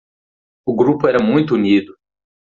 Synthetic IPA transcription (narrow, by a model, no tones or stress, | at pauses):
ʊɡɾupʊɛɾɐmũj̃t̪ʊunid̪ʊ